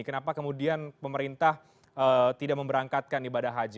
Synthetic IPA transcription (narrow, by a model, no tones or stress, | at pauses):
kənapakəmudianpəməɾint̪ah | ət̪idaʔ̚məmbəɾaŋkat̪̚kanibadaɦad͡ʒɪ